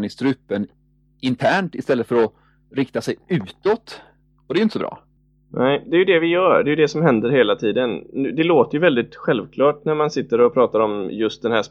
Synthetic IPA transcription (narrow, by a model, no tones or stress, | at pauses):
nɪst̪ɾʉ̟ːpːən | ɪnt̪ʰæːɳʈɪst̪ɛlːət̪fœɾɔ | ɾɪkt̪asɛjʉ̟ːt̪ɔt̪ | ɔd̪ɛjʏnt̪əsɔbɾɑ̰ː | nʔɛɪd̪ɛːjʏd̪ɛvɪjœːɖɛjʏd̪ɛsɔmhɛnd̪əɾheːlat̪ʰiːd̪ənʉd̪ɛloːt̪əjɵvɛld̪ɪt̪ɧɛlvkʰlɑːʈnæɾmansɪt̪ːəɾɔpʰɾɑːt̪aɾɔmjɵst̪̚d̪ɛnhæːʂ